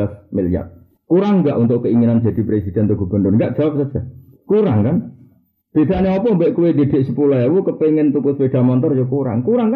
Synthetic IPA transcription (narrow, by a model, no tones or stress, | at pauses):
afmilja̰t̪̚ | kuɾaŋŋɡaʔunt̪ʊʔkəiŋinand͡ʒ̥a̤d̪̥i̤pɾesid̪̥ɛ̤nt̪uɡ̥ṳb̥ə̤nʊnŋɡaʔdd͡ʒ̥awap̚sasa | kuɾaŋkan | d̪̥id̪aʔneɔpɔmbɛʔkuwed̪ed̪̥e̤ʔsəpulaawukəpeŋɪnt̪ukʊswed̥̪a̤mɔnt̪ɔrjokuɾa̰ŋkuɾaŋka